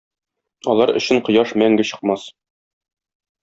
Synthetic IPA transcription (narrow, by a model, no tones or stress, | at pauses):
ɒlˠɑɾɵ̆ɕɘɴqŏjɑʃmæŋɡɘɕɤ̆q̚mɑs